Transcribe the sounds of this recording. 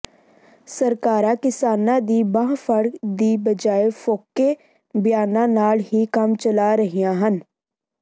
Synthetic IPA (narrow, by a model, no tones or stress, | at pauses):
səɾkaːɾãːkɪsaːnãːd̪iːbãːfʰəɽkd̪iːbəd͡ʒaːeːfʰoːkːeː | bɪjaːnãːnaːlɦiːkəmt͡ʃəlaːɾəɦijãːɦən